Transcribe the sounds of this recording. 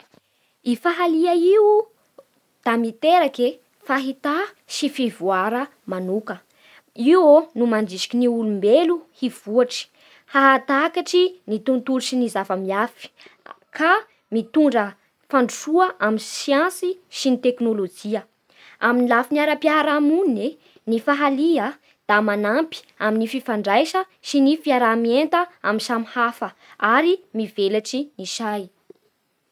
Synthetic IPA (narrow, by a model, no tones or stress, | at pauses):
ifaɦaliaiu | d̪̥amit̪eɾake | faɦit̪a | ʃifivuaɾə | manukə | iwonumanɖ͡ʐiʃi̥kʲiniulumbeluhiv̥uaʈ͡ʂi̥ | haɦat̪akaʈ͡ʂinit̪unt̪uɾiʃinizavəmiafi̥ | kʰa | mit̪uɳɖ͡ʐə | faɳɖ͡ʐuʃuəʔaminsiãnsiʃinit̪eknolod͡ʒiə | aminilafiniaɾapiaɾamuni | nifaɦaliə | d̪̥amanampi̥ | aminififaɳɖ͡ʐajʃə | ʃinifiaɾamient̪əamisamihafə | aɾimivelaʈ͡ʂiniʃaj